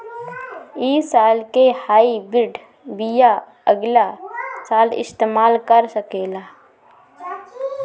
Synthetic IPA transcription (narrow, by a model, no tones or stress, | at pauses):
iːsaːlkehaːibɪɖ | bija | əɡlasaːlɪ̰st̪eːmaːlkəɾsəkeːlaː